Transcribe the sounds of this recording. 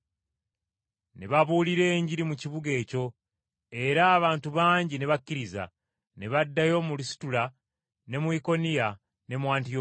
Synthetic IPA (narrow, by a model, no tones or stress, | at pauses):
ne̞βaβuːliɾe̞ːɲɟiɾimuciβuɡe̞ːco̞ | e̞ɾaːβaːntuβaːɲɟine̞βakːiɾiza̰ | ne̞βadːajo̞mulisi̥tula | ne̞mwiko̞nija | ne̞mwaːntio